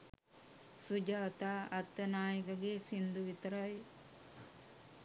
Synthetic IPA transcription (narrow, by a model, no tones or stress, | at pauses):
sud͡ʒaːt̪aːɐt̪ːɐnaːjɐkɐɡesind̪uʋit̪ɐɾɐj